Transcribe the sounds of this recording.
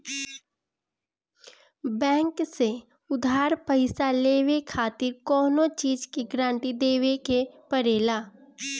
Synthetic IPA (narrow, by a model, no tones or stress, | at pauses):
bɛ̃ːŋkse | ʊd̪ʱaːɾpəɪsaleːwekʰaːt̪ɪɾkɔːnõt͡ʃiːd͡ʒkeɡɾãːɳʈid̪eːwekepəɾeːlaː